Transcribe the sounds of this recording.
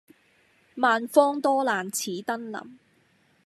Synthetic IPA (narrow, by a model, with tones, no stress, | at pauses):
maː˨nfɔː˥ŋt̪ɔː˥laː˨nt͡sʰiː˨˥t̪ɐ˥nlɐ̰˨˩m